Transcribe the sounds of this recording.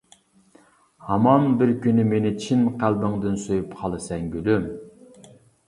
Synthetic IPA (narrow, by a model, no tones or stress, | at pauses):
hɑmɑnbɪɾkʲynɪmenɪt͡ʃʰinqælbɪŋd̪ɪnsøjypqʰɑlˠɨsɛŋɡʲylym